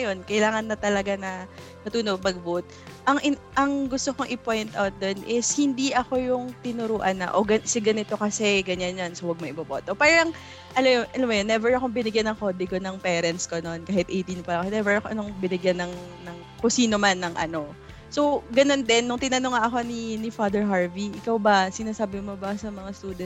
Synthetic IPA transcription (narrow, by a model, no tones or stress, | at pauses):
ɐjo̞nkɐɪlaːŋɐnːɐt̪ɐlɐɡanɐ | mɐt̪uːnobɐɡ̚but̪̚ | ʔɐŋʔɪ | ʔɐŋɡʊst̪okoŋʔɪpo̞jnt̪ʔawt̪̚d̪o̞nʔɪshɪnd̪iʔɐko̞jʊŋt̪ɪnʊɾuːʔɐnːɐ̰ʔo̞ɡɐsɪɡɐnɪt̪o̞kɐsɛɡɐɲanːansowɐɡ̚mɐʔɪbɐboːt̪o̞paːɾɐŋ | ʔɐlmjoʔɐlɐmːojonːɛvɛɹɐkoŋbɪnɪɡjanːɐŋko̞d̪ɪɡonɐŋpɛːɾɛnt̪skono̞nkaːhɪt̪̚ʔejt̪inpɐlɐkonɛvɛɹɐkoʔɐnoŋbɪnɪɡjanːɐŋnɐŋ | kʊsiːnomanːɐŋʔɐ̰no̞ | so̞wɡɐno̞nd̪ɛnːʊŋt̪ɪnɐnoŋaʔɐko̞ninɪfad̪ɛɹɦaɹviʔɪkawbɐsɪnaːsaːbɪmobɐsɐmɐŋast̪uːd̪ɛ